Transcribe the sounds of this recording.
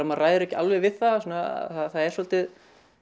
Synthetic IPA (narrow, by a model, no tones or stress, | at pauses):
amarajðʏɾɛhcɪalvɛvɪðθaðsɔːna̰θaðθaðɛɾsɔlt̪ɪð